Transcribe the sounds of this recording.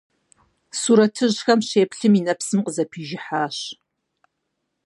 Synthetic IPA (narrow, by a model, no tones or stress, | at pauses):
suɾɐtʰɨʑxɐmɕeːpɬɨminɐpsɨmqəzɐpʰiːʒɪħaːɕ